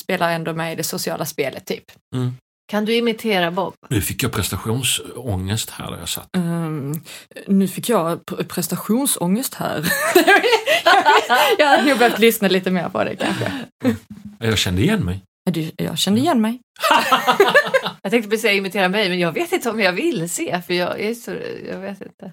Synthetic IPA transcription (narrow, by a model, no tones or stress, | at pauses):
speːlaɾɛnd̪omɛjɪd̪ɛsʊsɪɑ̰ːlaspeːlət̪ʰːy̰ːpː | kʰand̪ɵɪmɪt̪ʰeːɾabɔbnʉ̟ːfɪkːjɑpʰɾɛst̪aɧuːnsɔŋːəst̪hæ̰ːd̪æ̰ɾjɑ̰sa̰t̪ː | nʉ̟ːfɪkʰːjɑpʰɾɛst̪aɧuːnsɔŋːəst̪hæ̰ːɾ | jjɑad̪nuːɡ̚bœt̪lʏsnaliːt̪əmḛːɾpʰɔ̰d̪ɛ̰kʰa̰nɧə̰ | ɛjɑːɡɕɛnd̪əɪjɛnːmɛj | ad̪ɛjɑ̰ːɕɛnd̪əɪjɛnːmɛj | jɑɡt̪ɛ̃ŋkt̪əbɛsɛɪmɪt̪ʰeːɾamɛjmɛnjɑːɡveːt̪ɪnt̪əɔmjɑvɪlːseːfœjɑɡɛsɔjɑ̰ːɡveːt̪ɪ̰nt̪ə